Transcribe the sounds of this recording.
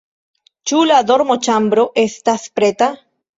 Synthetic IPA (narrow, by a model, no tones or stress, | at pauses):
t͡ʃulaðoɾmot͡ʃambɾoʔest̪aspɾet̪a